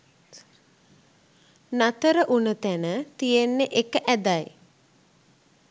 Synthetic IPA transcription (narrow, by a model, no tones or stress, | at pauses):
nat̪əɾəʔunət̪ænət̪ijenːeʔekəʔæd̪aj